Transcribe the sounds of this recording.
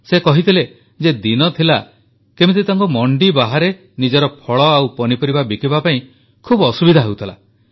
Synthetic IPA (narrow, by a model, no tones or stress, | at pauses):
sekɔɦit̪ʰile | d͡ʒed̪inɔt̪ʰila | kemit̪et̪aŋkɔmɔɳɖibaɦaɾe | nid͡ʒɔɾɔpʰɔɭɔawpɔnipɔɾibabikibapaĩ | kʰubɔsubid̪ʱaɦewt̪ʰɔla̰